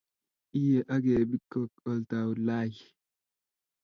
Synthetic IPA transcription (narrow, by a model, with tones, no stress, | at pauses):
ʔi˦je˨ʔa˦ɡe˨bi˦kːɔ˨kɔ˨lta˨wla˦˨j